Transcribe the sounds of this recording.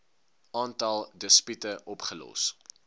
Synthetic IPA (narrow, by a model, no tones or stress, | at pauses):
ɑːntɐlˠdəspytəʔɔpχəlɔ̰s